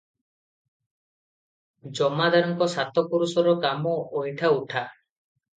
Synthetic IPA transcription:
d͡ʒɔmad̪aɾɔŋkɔsat̪ɔkuɾusɔɾɔkamɔojʈʰauʈʰa

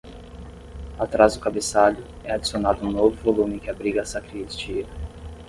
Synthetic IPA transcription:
at̪ɾazd̪ʊkabesalʊ | ɛad͡ʒi̥sionad̪ʊũnovʊvolũmɪ̃kɪabɾiɡɐːsakɾist͡ʃiɐ

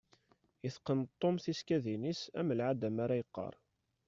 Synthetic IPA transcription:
iθqːənt̪ˤːomθiskæðinisæ̰məlʕad̪æmaɾajəqːɑ̰ɾˤ

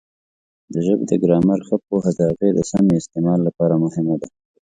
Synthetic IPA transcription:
d̪əʒəbd̪əɡɾɑmaɾxəp̚oɦad̪ɑɣed̪əsameɪst̪emɑlːapɑɾamʊhɪmod̪a

